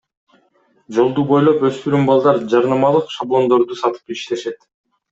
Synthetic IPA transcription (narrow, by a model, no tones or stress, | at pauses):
d͡ʒo̞lˠd̪ubo̞jlˠo̞pø̞st̪yɾymbɑlˠd̪ɑɾd͡ʒɑɾnɑmɑlˠɯqʃablˠo̞nd̪o̞ɾd̪usɑt̪ɯ̥piʃt̪e̞ʃe̞t̪